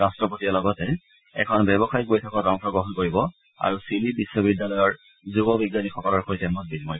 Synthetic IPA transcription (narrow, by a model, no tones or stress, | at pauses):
astɹɔpotialɔɡɔtɛ | ɛ̰kʰɔnbɛbɔxajkojtʰɔkɔtaŋkʰɔɡɹɔɦɔnkoɹibɔ | a̰ɹusilibisːɔbidːalɔjɔɹ | zubɔbiɡjanixɔkɔlɔɹxʰoitɛmɔt̚bidmɔi